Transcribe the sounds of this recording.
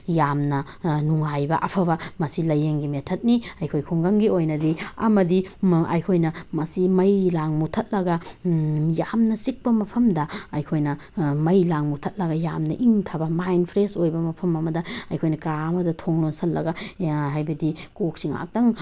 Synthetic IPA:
jamnɐ | nuŋajbɐʔɐpʰɐβɐmɐsilɐjeŋɡimetʰɐt̚niɐjkʰojkʰuŋɡɐŋɡiojnɐdiɐ̰mɐdiɐ̰jkʰojnɐmɐsimɐjlaŋmutʰɐt̚lɐɡɐ | jamnɐsik̚pɐmɐpʰɐmdɐɐjkʰojnɐ | mɐjlaŋmutʰɐt̚lɐɡɐjamnɐ̰ʔiŋtʰabɐmajnpʰɾesojbɐmɐpʰɐmɐmɐdɐɐjkʰojnɐkamɐdɐtʰoŋlonsɐt̚lɐ̰ɡɐɦajbɐdikok̚siŋa̰k̚dɐŋ

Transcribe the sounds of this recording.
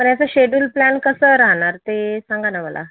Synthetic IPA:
pəɳjat͡saɕeɖulplænkəsəɾaɦɳaɾt̪esãŋɡanaməlʔa̰

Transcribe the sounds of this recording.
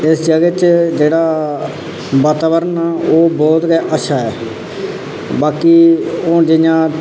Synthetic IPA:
ɪsd͡ʒəɡeːt͡ʃd͡ʒeːɽaː | baːt̪aːbəɾənaːoːbɔːt̪ɡɛːʔəʃʰaːɛː | baːkiːoːd͡ʒɪjãː

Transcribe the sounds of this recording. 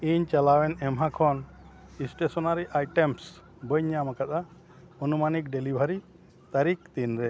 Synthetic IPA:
iɲt͡ʃalawɛnɛmɦakʰɔn | isʈesɔnaɾiʔajʈɛms | bəɲamakat̪a | ɔnumanik̚ɖelibʱaɾi | t̪aɾik̚t̪inɾɛ

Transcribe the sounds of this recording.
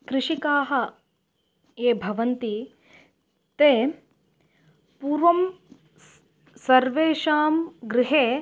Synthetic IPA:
kɾɪʂikaːɦɐ̆ | eːbʱɐʋɐnt̪i | t̪eː | puːɾʋɐm | sɐɾʋeːʃaːmɡɾɪɦeː

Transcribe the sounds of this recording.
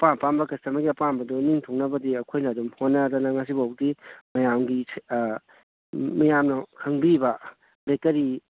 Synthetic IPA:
papambɐkɐstɐmɐɡiɐpambɐdɔniŋtʰoŋnɐbɐdiɐkʰojnɐːdumhonːɐdɔnɐŋas̬ibawk̚dimɐjamɡi | mɐjamnɐkʰɐŋbibɐ | bekɐɾi

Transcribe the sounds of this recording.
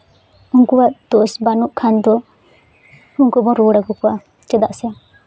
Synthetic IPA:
uŋkuwaʔd̪̥ɔsbanuʔkʰand̪ɔ | uŋkubɔɾɔɽaɡukɔwa | t͡ʃɛd̪aʔsɛa

